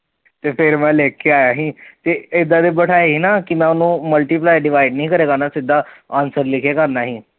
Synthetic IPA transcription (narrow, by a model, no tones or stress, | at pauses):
t̪epʰeɾmɛ̃leːkːeaːjaɦĩt̪eed̪ʱːad̪ebəʈʰaeɦinakimɛ̃ʊnũːməlʈiplajɖɪʋaːiɖnəĩːkəɾeːkanasɪd̪ʱːaãːnsəɾlɪkʰekəɾnaɦiː